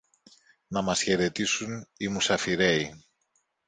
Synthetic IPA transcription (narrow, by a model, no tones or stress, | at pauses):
nɐmɐsçe̞ɾe̞t̪isunimusɐfiɾe̞i